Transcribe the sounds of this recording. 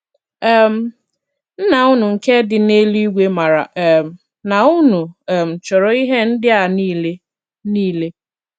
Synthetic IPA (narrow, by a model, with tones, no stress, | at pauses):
ɛ˦m̩˦ | n̩˦na˨ʊ˦nu˨ŋ̩˨ke˦dɪ˨ne˦li˦ɡʷe˦ma˨ɾa̰˨m˨ | na˨ʊ˦nu˨ɛ˨m̩˨t͡ʃɔ˨ɾɔ˨i˦ɦe˦n̩˦dɪ˦a˨ni˦˨le˦ | niː˦le˦